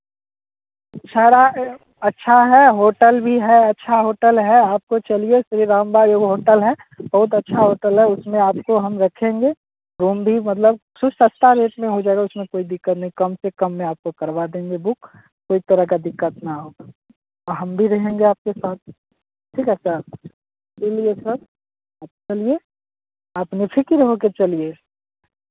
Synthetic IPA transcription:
ʃʰaːɾa | ɐtːʃʰaɦɛɦoːʈəlbʱiɦɛɐtːʃʰaɦoːʈəlɦɛaːp̚kot͡ʃɐliesɾiɾãːmbaːdjoːɡɦoːʈəlɦɛ | bɐɦʊt̪ɐtːʃʰaɦoːʈəlɦɛʊsmẽaːpkoɦɐmɾɐkʰẽːŋɡe | ɾuːmbʱimɐt̪̬ləb | sʊsəst̪aɾeːʈmẽɦod͡ʒaːeɡaʊsmẽkoːid̪ɪkːət̪nəɦĩkəmsekəmːẽaːp̚kokəɾʋad̪ẽːŋɡebʊkː | oːit̪əɾəɦkad̪ɪkːət̪naɦo | ɔɾɦəmbʱiɾɐɦẽŋɡeaːp̚kesaːt̪̚ʰ | ʈʰiːkɛsə | iliesəɾ | aːp̚t͡ʃɐlie | apnepʰɪkiɾɦoket͡ʃɐlie

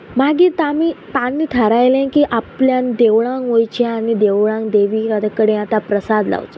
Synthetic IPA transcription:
maɡiːt̪amit̪anːiːt̪ʰəɾajlẽkiːʔapljand̪eʋɭãŋkojt͡ɕaanid̪eʋɭãŋkd̪eʋiːɾad̪əkəɽẽat̪apɾəsad̪la̰ʋt̪o̥

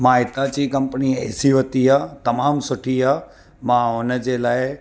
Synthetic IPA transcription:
maːɦɪt̪at͡ɕiːkɐ̃mpəniɛ̰ːsiʋət̪iɦaːt̪ɐmaːmsʊʈʰiɦa | mãʊnəd͡ʑelaːɪ

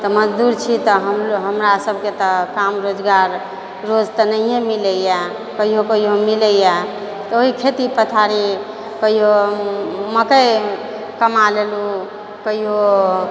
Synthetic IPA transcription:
t̪əməd͡ʒd̪uɾt͡ʃʰit̪əɦəmɦəmɾasəbʱket̪əkamɾod͡ʒɡaɾ | ɾod͡ʒt̪ənəijemiləjɛ | kəɦiɦokəɦiɦomiləjɛ | t̪oɦikʰet̪ipət̪ʰaɾi | kəɦiɦo | məkəj | kəmalelu | kəɦio

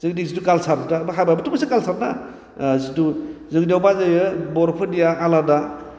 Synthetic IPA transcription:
zɯŋdiŋsitukalsaɾdabɦajbajbɯtʰumasikalsaɾna̰ | situzɯŋdiawbazajɯbɔɾpʰɯnijaːlada

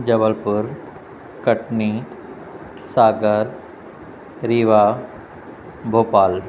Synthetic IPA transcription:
d͡ʑɐbəlpuɾ | kəʈni | saːɡəɾ | ɾiːʋa | bʱoːpaːl

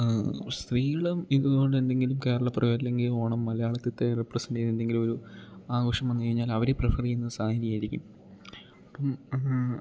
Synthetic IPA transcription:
st̪riːɣɐɭumiðuɣo̞ɳɖe̞nd̪e̞ŋɡilumke̞ːɾɐɭɐprɐʋeɾilːe̞ŋɡilo̞ːɳɐmːɐlɐjaːɭɐt̪ːit̪ːerepːrɐsɐɳɖejnend̪e̞ŋɡilumo̞ɾuaːɡo̞ːʂɐmenːɨkɐɻiɲːaːlɐʋɐɾeprɨfɐrienːɐɨsaːɦiɾijaːjiɾikʲːum | ɐpːɐm

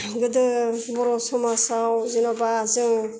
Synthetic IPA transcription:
ɡɯdɯbɔɾɔsɔmasawzinabazɯŋ

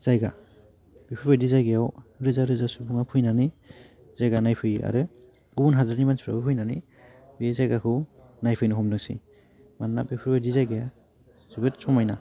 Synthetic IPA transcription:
z̥ajɡa | b̥ipʰɯɾbajdizajɡejawɾɯzaɾɯzasupʰuŋapʰujnani | z̥ajɡanajpʰɯja̰ɾɯ | ubunɦazaɾnimanspʰɾa̰bɯpʰujnani | bezajɡakʰɯ | najpʰɯjnɯɦɔmdɯŋsḭ | mannabipʰɯɾbadizajɡeja | zɯbɯtsɔmajna

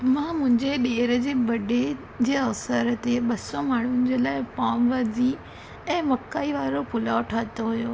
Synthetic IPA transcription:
mãːmʊ̃ɦɪ̃ɲd͡ʑeɗeːɾəd͡ʑeːbɐɖʱe | d͡ʑeːɐʋsəɾət̪eɓɐsɔmaːɳ̤ʊnɪ̆d͡ʑeːlaːɪpaːmʋaːzi | ɛ̃ːmɐkːaːiʋaːɾopʊlaːoʈʰaːt̪oɦujoː

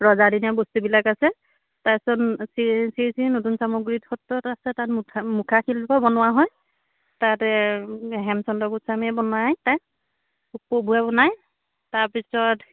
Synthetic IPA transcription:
ɹɔzadinɛbostubilakasɛ | tasɔnsisiɹisinotunsamoɡɹitxɔtːɔtasɛtatʰmukʰaxilbɔbɔnʊwaɦɔj | tatɛɦɛmsɔndɔkutsamɛbɔnajtaj | upobʱuabɔnaj | taɹpisɔt

